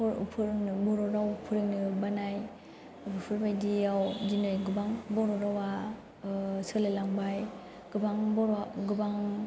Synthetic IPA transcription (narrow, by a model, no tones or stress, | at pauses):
pɔɾ̰pʰɯɾŋnɯbɔɾɔɾawpʰɯɾɯŋnɯbanaj | bʰɯpʰɯɾbajdiawdinɯjɡɯbaŋbɔɾɔɾawa | sɯlelaŋbaj | ɡ̥ɯbaŋbɔɾɡɯbaŋ